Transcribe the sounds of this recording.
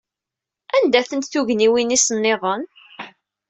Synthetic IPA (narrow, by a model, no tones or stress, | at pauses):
ænd̪æθənt̪θuʝniwinisənːɪðˤən